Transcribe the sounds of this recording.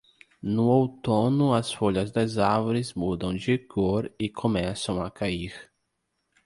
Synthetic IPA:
nʊowt̪õnʊɐsfoʎɐzd̪ɐzaɾvoɾɪzmud̪ɐ̃w̃d͡ʒɪɡoɾɪkʰõmɛsɐ̃w̃ɐkʰaiɾ

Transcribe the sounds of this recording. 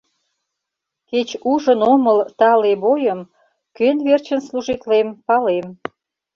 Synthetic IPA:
ket͡ɕuʒənoməlt̪ɑleβojəm | kønβert͡ɕənsluʒit̪lempɑlem

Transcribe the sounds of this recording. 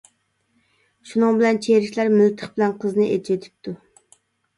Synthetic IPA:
ʃunɨŋbɪlɛnt͡ʃʰeɾiʃʲlæɾmɪlt̪ʰə̥χbɪlɛnqʰəznɨʔet͡ʃʰet̪ʰɪ̥p̚t̪ʰu

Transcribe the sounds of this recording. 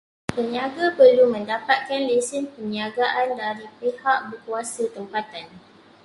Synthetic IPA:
pəɲiaɡapərlumə̃ndapat̪̚kanlisɪnpəɲiaɡaʔandaɾipehaʔ̚bərkuasat̪əmpat̪an

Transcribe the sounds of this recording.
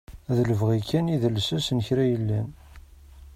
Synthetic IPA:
ðələvʁikʰːæniðəlsæsnəçɾæjəlːæn

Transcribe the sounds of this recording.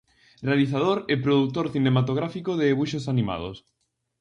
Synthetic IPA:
realiθaðoɾɛpɾoðut̪oɾθinemat̪oɣ̞ɾafikoðeːβuʃosanima̰ð̞o̰s

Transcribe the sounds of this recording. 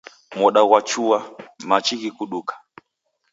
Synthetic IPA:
mɔɗaɣwat͡ʃuamat͡ʃiɣikuɗukḁ

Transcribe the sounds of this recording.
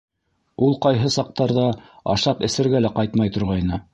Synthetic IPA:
ulˠqɑjɦɤsɑq̚t̪ɑɾðɑɑ̰ʃɑpɘ̆sɘ̆ɾɡælæqɑjt̪mɑjt̪ŏɾʁɑjnɤ

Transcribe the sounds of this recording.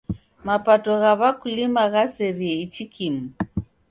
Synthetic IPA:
mapatɔɣaβakulimaɣasɛɾiɛit͡ʃikʰimu

